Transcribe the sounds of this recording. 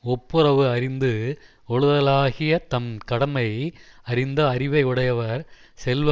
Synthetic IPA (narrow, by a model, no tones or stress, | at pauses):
ɔpːɯɾɐʋɯɐɾɪnd̪ɯ | ɔɻɯðɐlaːɣɪjɐt̪ɐmkɐɽɐmɐjɐɾɪnd̪ɐːɾɪʋɐɪɯɽɐjɐʋɐɾ | sɛlʋɐ